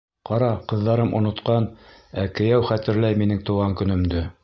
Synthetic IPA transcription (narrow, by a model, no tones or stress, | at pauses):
qɑɾɑqɤ̆ðːɑɾɤmʔŏnŏt̪qɑnækɘ̆jæwχæt̪ɘ̆ɾlæjminɘŋt̪ŏʁɑŋkɵ̆nɘ̆md̪ɘ